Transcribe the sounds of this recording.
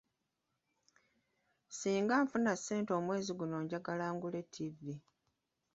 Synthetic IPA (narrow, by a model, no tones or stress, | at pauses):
siːŋɡaːɱfunaseːnto̞ːmwe̞ːziɡuno̞ːɲɟaɡalaːŋɡule̞tʰːivi